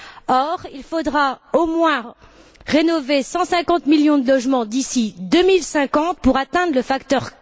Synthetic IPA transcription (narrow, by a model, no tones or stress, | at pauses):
ɔʁilfod̪ʁaomwɛ̃ | ʁenɔvesɑ̃sɛ̃kɑ̃t̪miljɔ̃d̪əlɔʒmɑ̃d̪isid̪ømilsɛ̃kɑ̃t̪̚puʁat̪ɛ̃d̪ʁləfakt̪œʁ